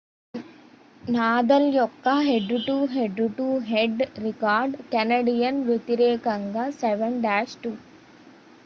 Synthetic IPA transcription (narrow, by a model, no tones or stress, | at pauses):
naːd̪ɐljɔkːɐɦeɖuʈuːɦeɖuʈuːɦeɖɾikaːɾɖkɛnɐɖijɐnʋjet̪iɾeːkɐŋɡɐseʋɐɳɖæːsʈuː